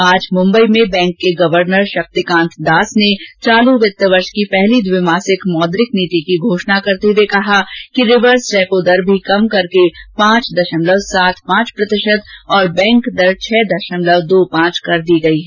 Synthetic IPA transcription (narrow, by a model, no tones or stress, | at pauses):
aːd͡ʒmʊ̃mbəimẽbɛ̃ːŋkːeɡɐʋəɾnəɾʃɐk̚t̪ikãːnt̪ʰd̪aːsnet͡ʃaːlũʋɪt̪ːəʋɐɾʃkipɛɦlid̪ʋɪmaːsɪkmɔːd̪ɾɪkniːt̪ikiɡʱoːʃnakɐɾt̪ewekɐɦakiɾɪʋəɾsɾɛːpod̪ɐɾbʱikɐmkɐɾkepãːt͡ʃd̪ɐʃəmləʋsaːt̪ʰpãːt͡ʃpɾɐt̪ɪʃət̪ɔːɾbɛ̃ːŋkd̪ɐɾt͡ʃʰɛːd̪ɐʃəmləʋd̪oːpãːt͡ʃkɐɾd̪iːɡɐiɦɛː